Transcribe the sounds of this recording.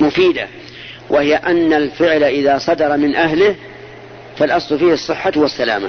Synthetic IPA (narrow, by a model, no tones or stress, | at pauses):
mʊfiːd̪a̰ | wʔahɪjaʔanːalfɪʕlaʔɪðaːsˤɑd̪ɑɾˤɑmɪnʔaɦlɪh | falʔɑsˤlʊfiːhɑsˤːɨħːawasːala̰ːma̰